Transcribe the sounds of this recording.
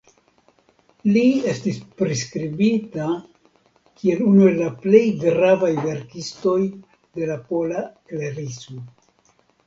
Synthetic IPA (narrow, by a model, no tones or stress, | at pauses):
lie̞stispɾiskɾibita | kʰie̞lunue̞lːaple̞jɡɾavajve̞ɾkisto̞j | de̞lapo̞lakleɾiso